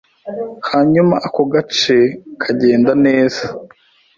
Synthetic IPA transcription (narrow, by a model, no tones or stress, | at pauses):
haɲumaʔakoɡat͡ʃekʰaɟe̞ːndane̞ːz̥ḁ